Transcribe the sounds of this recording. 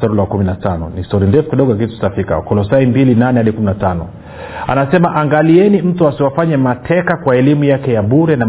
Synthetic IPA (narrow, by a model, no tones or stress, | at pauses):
tɔɾilawkuminatanɔ̰nistɔɾindɛfu̥kiɗɔɡɔjak̬itu̥safika̰kɔlɔsaimbilinanɛhaɗikuminatanɔ̰ | a̰nasɛmaʔaŋɡaliɛnim̩tuasiwafaɲɛmatʰɛkakwaɛlimujakɛjaɓuɾɛna